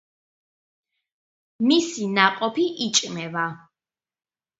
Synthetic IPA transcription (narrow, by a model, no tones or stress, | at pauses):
misinaqʼɔpʰiʔit͡ʃʼmɛva